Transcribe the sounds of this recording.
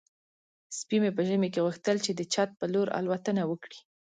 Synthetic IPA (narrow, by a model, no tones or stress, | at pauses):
spimepəʒəmekeɣuxt̪əlt͡ʃed̪ət͡ʃɑt̪̚pəloɾa̰lwat̪ənawəkɽi